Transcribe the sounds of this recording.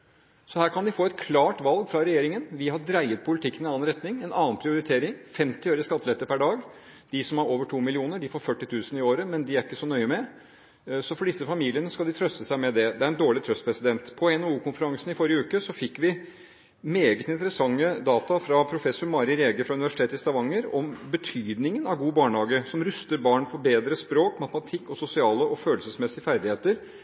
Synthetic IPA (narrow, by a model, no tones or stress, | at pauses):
sɔhæːɾkɑnd̪ɪfoːɛt̪̚kʰlɑːʈʋɑlɡfɾɑɾɛjeːɾɪŋənʋɪhɑɖɾæɪət̪̚pʰʊlɪt̪ʰɪkːənɪnɑːnɾɛt̪nɪŋɛnɑːnpʰɾɪʊɾɪt̪ʰeːɾɪŋfɛmt̪ɪœːɾəskɑt̪ʰːəlɛt̪ːəɾpæɖɑːɡ | d̪̥ɪsɔmhɑɾoːʋəʈʰuːmɪlɪuːnəɖɪfɔɾfœʈːɪt̪ʰʉːsnɪoːɾəmɛnd̪ɪæɾɪkːəsɔnœʏəmɛ | sɔfɔɖɪsːəfɑmiːlɪənəskɑld̪ɪt̪ʰɾœst̪ːəsæɪmɛd̪ɛd̪ɛæɾɛnd̪oːɭɪt̪ʰɾœst̪̚pʰɾɛsɪd̪ɛnt̪pʰɔɛnɛuːkʰʊnfəɾɑŋsnɪfɔɾɪjəʉːkəsɔfɪkːʋɪ | meːɡət̪ɪnt̪əɾəsɑŋːəd̪ɑːt̪ɑfɾɑpʰɾʊfɛsːʊɾmɑːɾɪɾeːɡəfɾɑʉnɪʋæʂɪ̥t̪ʰeːt̪ɪst̪ɑʋɑŋːəɾɔmbət̪ʰyːd̪nɪŋənɑʋɡuːbɑːɳhɑːɡəsɔmɾʉst̪əɾbɑːɳfɔɾbeːd̪ɾəspɾoːkmɑt̪əmɑt̪ʰɪkːɔsʊsɪɑːləʔɔføːlsəsmɛsɪfæɾd̪ɪheːt̪əɾ